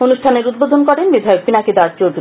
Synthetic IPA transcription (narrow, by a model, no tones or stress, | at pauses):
onuʃʈʰaneɾud̪̚bod̪ʱonkɔɾenbid̪ʱaeok̚binakid̪aɾt͡ɕowd̪u